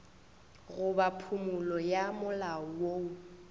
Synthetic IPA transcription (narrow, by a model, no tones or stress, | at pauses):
ɣʊbapʰumʊlɔjamʊlaɔwoːu